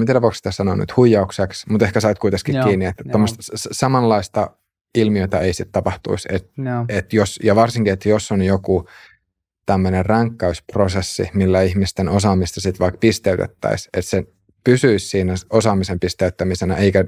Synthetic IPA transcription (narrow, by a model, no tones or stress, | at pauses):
mt̪ieɾæʋpoksi̥t̪æsɑnony̰t̪hujːɑukseksmut̪ehkæsɑit̪kuit̪eskikkiːnːiet̪ːæt̪ːomːost̪ssɑmɑlːɑist̪ɑ | ilmioit̪ɑeisit̪t̪ɑpɑht̪ṵiset̪et̪josjɑʋɑrsiŋkiet̪josːonjoku | t̪æmːønerrɑŋkːæysprosesːḭmilːæihmist̪enosɑːmist̪ɑsit̪ʋɑikpist̪eyt̪ḛt̪ːæ̰iset̪se | pysyissiːnæosɑːmisempist̪eyt̪ːæmisenæeikæ